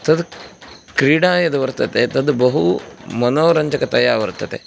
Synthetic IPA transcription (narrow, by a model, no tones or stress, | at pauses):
t̪ɐd̪kɾiːɽaːjɐd̪ɐʋɐɾt̪ɐt̪et̪ɐd̪ubɐɦumɐnoːɾɐɲd͡ʒɐkɐt̪ɐjaːɾʋɐɾt̪ːɐt̪ḛ